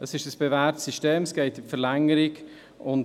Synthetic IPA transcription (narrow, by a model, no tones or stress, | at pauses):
d̥ɑsɪʃəsb̥evæːtsiʃteːməsɡ̥ɛɪtɪmfəɾlɛŋəɾɪk | ʊn